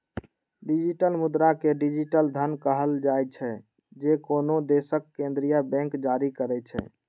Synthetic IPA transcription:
ɖid͡ʒiʈəlmud̪ɾakeɖid͡ʒiʈəld̪ʱənkəɦəld͡ʒajt͡ʃʰɛ | d͡ʒekonod̪esəkːẽnd̪ɾijabɛ̃ŋkd͡ʒaɾikəɾɛt͡ʃʰɛ̰

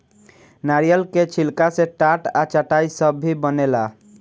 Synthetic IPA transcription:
naɾijəlket͡ʃʰilkaseʈaʈat͡ʃaʈaisəbːibənela

